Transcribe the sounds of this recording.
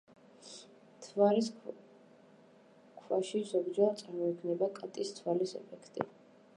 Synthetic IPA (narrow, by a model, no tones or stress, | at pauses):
t̪ʰvalis | kʰwaʃizɔbd͡ʒat̪sʼaɾmɔikʰvnɛbakʼat̪ʼist̪ʰwalisɛ̰pʰɛkʰt̪ʼḭ